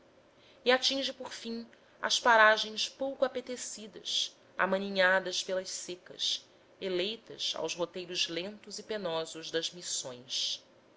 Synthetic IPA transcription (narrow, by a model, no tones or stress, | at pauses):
iat͡ʃĩʒɪpoɾfĩŋ | ɐ̰spaɾaʒẽj̃spowkʊapet̪esid̪ɐ̰s | a̰mɐniɲad̪ɐspelɐʃsekɐ̰s | elejt̪ɐ̰sa̰wzɦot̪ejɾʊzlẽnt̪ʊzipenɔzʊʒd̪ɐzmisõj̃s